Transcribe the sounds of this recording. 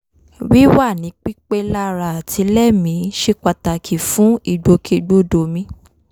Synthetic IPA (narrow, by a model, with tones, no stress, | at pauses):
wi˦wa˦˨nĩ˨˦k͡pi˦k͡pe˦la˦ɾa˨tʰi˨˧˦lɛ˦˨mĩ˨˦ʃe˧k͡pa˧ta˨kʰi˨fũ˨˦i˦˨ɡ͡bo˧˦kʰe˧ɡ͡bo˦do˨mĩ˧˦